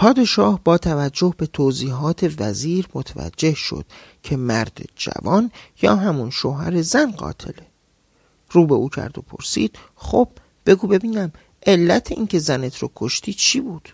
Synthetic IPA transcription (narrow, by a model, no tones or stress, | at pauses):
pʰɒːd̪e̞ʃɒːhbɒːt̪ʰævæd͡ʒːo̞hbe̞t̪ʰoːziːɦɒːt̪ʰe̞væziːɾmot̪ʰevæ̰d͡ʒːe̞hʃo̰d̪̥̚ | cʰe̞mæɾd̪ed͡ʒæ̰vɒːnjɒ̰ːɦæmunʃoːɦæɾe̞zænɢɒ̰ːt̪ʰe̞le | ɾuːbeuːcʰæ̰ɾd̪o̞̰pʰo̞̰ɾsḭːd̪̥ | xob̥̚ | be̞ɡuːbe̞biːnæm | ʔe̞lːæt̪ʰeʔiːncʰe̞zænet̪ʰɾoːkʰoʃt̪ʰiːd̪̚t͡ʃʰiːbuːd̪̥